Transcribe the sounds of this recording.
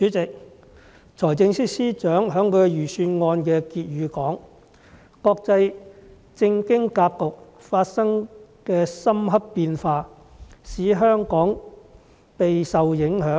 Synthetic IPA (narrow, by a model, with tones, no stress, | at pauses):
t͡ʃyː˨˥t͡sɪ˨k̚ | t͡sʰɔː˨˩jt͡sɪ˧ŋsiː˥siː˥t͡ʃœː˨˥ŋɦœː˨˥ŋkʰɵ˨˧˥jyː˨˩syː˧nŋɔː˧nkɛː˧kiː˧t̚ɥyː˨˧kɔː˨˥ŋ | kɔː˧k̚t͡sɐ˧j | t͡sɪ˧ŋkɪ˥ŋkaː˧pkːʊ˨k̚ | faː˧t̚sɐ˥ŋkɛː˧sɐ˥mɦɐ˥ppiː˧nfaː˧ | siː˨˥ɦœː˥ŋkɔː˨˥ŋ | pe˨jsɐ˨wjɪ˨˥ŋɦœː˨˥ŋ